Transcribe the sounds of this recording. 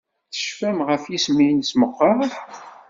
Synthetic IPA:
θə̥ʃfæmʁəfjismijənsməqːɑɾ

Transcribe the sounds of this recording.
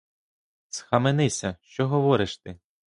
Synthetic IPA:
sxɐmenɪsʲɐʃt͡ʃɔɦɔʋɔɾɪʃt̪ɪ

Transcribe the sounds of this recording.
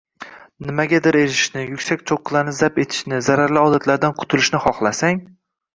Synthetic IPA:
nɪmaɡʲad̪ɪɾeɾɪʃnɪjʊkʲsak̚ʲt͡ʃʰoqːɨlˠanɪzape̞t̪ʰɪ̥ʃnɪzaɾaɾlɪɒd̪at̪ʰlaɾd̪anqʰʊ̥t̪ʰʊlɪʃnɪχɒχlˠasaŋ

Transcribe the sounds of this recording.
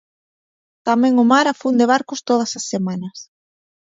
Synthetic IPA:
t̪amɛ̃ŋʊmaɾafund̪eβ̞aɾkʊst̪oð̞ɐsasːemanɐs

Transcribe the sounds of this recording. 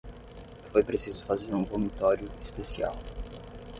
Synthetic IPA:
fojpɾesizʊfazeɾũbomit̪ɔɾijʊispesia̰w

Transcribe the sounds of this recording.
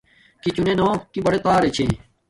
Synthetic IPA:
kit͡ɕunenoːkibɐɽet̪aːɾet͡ɕʰḛ̃ː

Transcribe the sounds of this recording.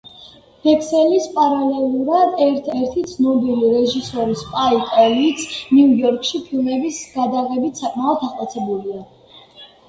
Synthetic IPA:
bɛkʰsɛlispʼaɾalɛlˠuɾad̪ɛɾt̪ʰɛɾt̪ʰit̪sʰnɔbiliɾɛʒisɔɾispʼaikʼɛlit̪sʰniujɔɾkʼʃipʰilˠmɛbisɡ̥ad̪aʁɛbit̪ʰsakʼmaɔd̪ʰaχt̪ʼat̪sʰɛbulia

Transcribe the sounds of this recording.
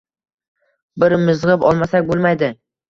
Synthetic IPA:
bɪɾmɪzʁɨpɒlˠmasak̚ʲbolˠmajd̪ɪ

